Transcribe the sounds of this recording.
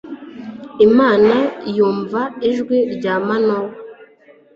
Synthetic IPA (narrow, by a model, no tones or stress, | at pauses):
imaːnajuːɱvaiʒɡweɾɟaːmanow